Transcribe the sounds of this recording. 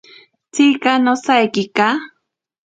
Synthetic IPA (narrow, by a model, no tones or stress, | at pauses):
t͡sikanosajkika